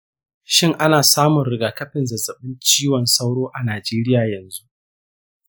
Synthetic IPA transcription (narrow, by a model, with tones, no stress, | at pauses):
ʃɪ˦˨ŋʔa˦naː˨saː˦mʊ˨nɾɪ˨ɡaː˨kɐ˦ɸɪ˨nzɐ˨zɐ˨ɓɪ˦nt͡ʃiː˦wɔ˨nsa˦wɽoː˦ʔa˨naː˨d͡ʒeː˦ɾɪ˦jaː˨jɐ˨nzu˦ʔ